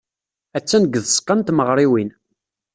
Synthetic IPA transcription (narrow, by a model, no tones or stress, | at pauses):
æt͡sːænəɡːəðsqːɑnt̪məʁɾˤiwin